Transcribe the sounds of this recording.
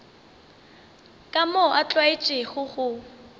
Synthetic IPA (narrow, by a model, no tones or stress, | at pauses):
kʼamɔʔat͡ɬʼwaɪt͡ʃʼɪɣʊɣʊ